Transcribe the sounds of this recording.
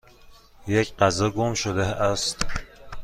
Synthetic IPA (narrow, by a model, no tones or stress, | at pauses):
jecɢæzɒɡomʃod̪eæst̪